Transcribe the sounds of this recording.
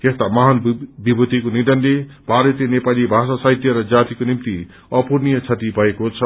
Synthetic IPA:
k̪est̪amʌɦanbibʱut̪ikonid̪ʌnle | bʱaɾʌt̪enepalibʱasasajt̪jʌɾʌd͡zat̪ikonimt̪i | ʌpurnijʌt͡sʰʌt̪ibʱʌekot͡sʰʌ

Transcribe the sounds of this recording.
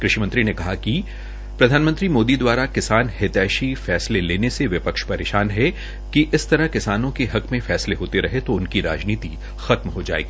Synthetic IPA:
kɾɪʃimɐ̃nt̪ɾinekɐɦaki | pɾɐd̪ʱaːnmə̃nt̪ɾimoːd̪id̪waːɾakɪsaːnhɪt̪ɛːʃifɛːsleleːneseʋɪpəkʃpɐɾḛːʃaːnɦɛ | kiʔɪst̪ɐɾɐkɪsaːnõkeɦɐkmẽfɛːsleɦoːt̪eɾɐɦet̪oʊnkiɾa̰ːd͡ʒniːt̪i | xɐt̪mɦod͡ʒa̰ːḛːɡiː

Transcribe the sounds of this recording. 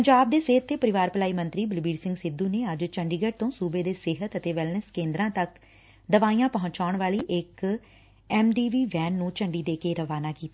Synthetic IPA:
pəɲd͡ʒaːb̚d̪eːseɦət̪ːeːpəɾɪʋaːɾpəlaːiːmə̃nt̪ɾiːbɪlbiːɖsɪ̃ŋɡsɪd̪uːneːəd͡ʒt͡ʃəɳɖiːɡəʈ̚t̪õːsuːbeːd̪eːsɪɦət̪ət̪eːʋɪlnəskẽːnd̪ɾãːt̪ək | d̪əʋaːijãːpəɦʊ̃ɲt͡ʃaːʊɳʋaːliːʔɪk | ɛːmɖiːʋiːʋɛːnːũːt͡ʃəɳɖiːd̪eːkeːɾəʋaːnaːkiːt̪aː

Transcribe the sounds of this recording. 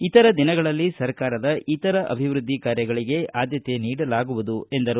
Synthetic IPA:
it̪ɐɾɐd̪inɐɡɐɭɐlːisɐɾkaːɾɐd̪ɐʔit̪ɐɾɐʔɐ̰bʱiʋɾud̪ʱːikaːɾjɐɡɐɭiɡe̞ʔaːd̪jɐt̪e̞niːɽɐlaːɡuʋud̪ue̞nd̪ɐɾu

